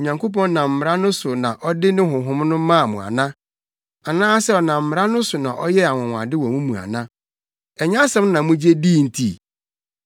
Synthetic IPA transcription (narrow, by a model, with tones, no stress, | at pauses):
ɲã˨ŋko˦pɔ̃˦n˦nã˨m̩˨m˨ɾa˦nʊ̃˦sʊ˨nã˨ʔɔ˦dɪ˦nɪ̃˦ɦʊ̃˨ɦʊ̃˦m˦nʊ̃˦mã˦˨mʊ̃˨a̰˨nã˦ | a˨nãː˦sɛ˦ɔ˨nã˨m̩˨m˨ɾa˦nʊ̃˦sʊ˨nã̰˨ʔɔ˦jɛ˦a˨wʊ̃˨w̃a̰˨dɪ˦wɔ̃˨mũ˦mũ˨a̰˨nã˦ | ɛ˨ɲ˦ã˦sɛ̃˦m˦nã˨mũ˦d͡ʑe˦di˦˨n̩˨tʰi˦˨